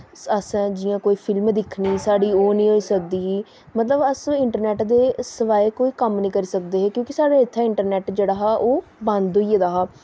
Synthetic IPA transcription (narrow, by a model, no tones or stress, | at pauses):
əsɛ̃ːd͡ʒɪjãːkoːiːpʰɪlmd̪ɪkʰniːsaːɽiːoːnĩːɦoːiːsək̚d̪iːɦiː | mət̪ləbəsɪɳʈəɾnɛːʈd̪eːsəʋaːekoːiːkəmnĩːkəɾiːsək̚d̪eːɦeːkjõːkɪsaːɽaːɪt̪ʰːãːɪɳʈəɾnɛːʈd͡ʒeːɽaːɦɛːʔoːbãnd̪ɦoiːed̪aːɦaː